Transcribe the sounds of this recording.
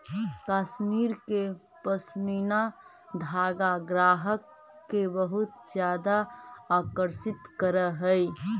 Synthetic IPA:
kasmiɾke | pəsmina | d̪ʱaɡaɡɾaɦəkː | ebəɦut̪d͡ʒjad̪aːkəɾsɪt̪kəɾəɦəj

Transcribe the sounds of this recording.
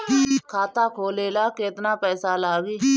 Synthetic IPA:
kʰaːt̪aːkʰoːleːlaːkeːt̪naːpɛːsaːlaːɡiː

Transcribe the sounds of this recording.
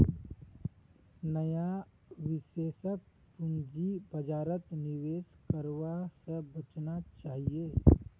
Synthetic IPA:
nəja | ʋɪseːʃək̪̚ | pʊnd͡ʒibɐd͡ʒaːɾət̪nɪʋeːskəɾwasəbət͡ʃnat͡ʃaːɦieː

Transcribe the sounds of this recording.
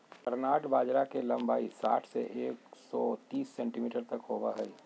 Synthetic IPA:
pəɾnaːʈbaːd͡ʒɾakelɐ̃mbaːisa̰ːʈʰsḛʔeːksɔt̪iːsːɛ̃ːɳʈimiːʈəɾt̪ɐkɦoːbaɦɛi

